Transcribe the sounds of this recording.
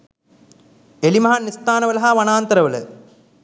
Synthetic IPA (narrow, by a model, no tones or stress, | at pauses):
elimɐɦanist̪aːnɐʋɐlɐɦaʋɐnaːnt̪ɐɾɐʋɐlɐ̰